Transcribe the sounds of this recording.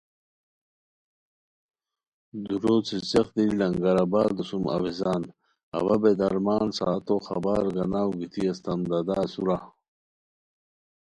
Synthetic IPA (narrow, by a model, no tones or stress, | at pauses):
d̪uɾoːt͡sit͡sexd̪ilɐŋɡɐɾabaːld̪usumɐ̰wezaːn | ɐ̰βɐbed̪ɐɾmaːnsa̰ːt̪oχɐ̰baːɾɡɐnaːwɡit̪ʰiɐst̪ɐmd̪ɐd̪aːsuɾa